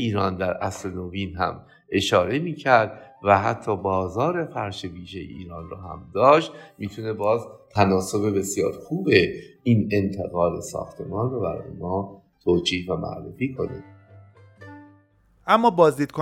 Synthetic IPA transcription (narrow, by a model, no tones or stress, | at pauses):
iːɾɒːnd̪æɾæsɾenoviːnɦæ̰m | ʔe̞ʃɒːɾe̞miːcʰæɾd̪væɦæ̰t̪ʰːɒːbɒːzɒːɾe̞fæɾʃeviːʒejḛḭːɾɒːnrɒːɦæ̰md̪ɒːʃt̪miːt̪ʰune̞bɒːzt̪ʰænɒːso̞be̞be̞sjɒːɾxuːbeiːnent̪ʰe̞ɣɒːle̞sɒ̰ːxt̪ʰe̞mɒːnrɒːbæɾɒ̰jemɒː | t̪ʰoːd͡ʒiːhvæmæ̰ʔɾufiːkʰo̞nḛ | ʔæmːɒːbɒːzd̪iːd̪̥̚kʰo